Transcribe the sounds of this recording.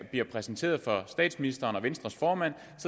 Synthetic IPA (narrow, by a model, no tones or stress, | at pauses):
b̥liɐpʰʁɛsn̩t͡sʰe̝̰ːɐð̞̩ˠfɒ̽sd̥ɛ̰ːd̥sminisd̥ɐːnɒ̽ʋensd̥ʁɐsfɒːmæn̰ | sɒ̽